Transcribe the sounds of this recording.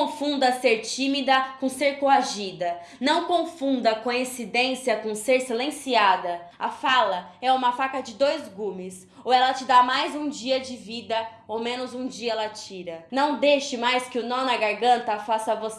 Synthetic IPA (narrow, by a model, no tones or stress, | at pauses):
õfũnd̪ɐseɾt͡ʃĩmid̪ɐkõseɾkoaʒid̪ɐ | nɐ̃w̃kõfũnd̪ɐkõĩsid̪ẽsiɐkõseɾsilẽsiad̪ɐɐfalɐɛũmɐfakɐd͡ʒɪd̪ojzɡũmɪs | owɛlɐt͡ʃɪd̪amajzũd͡ʒiɐd͡ʒɪvid̪ɐowmẽnʊzũd͡ʒiɐɛlɐt͡ʃiɾɐnɐ̃w̃d̪eʃɪmajskɪʊnõnɐɡaɾɡɐ̃nt̪ɐfasɐvos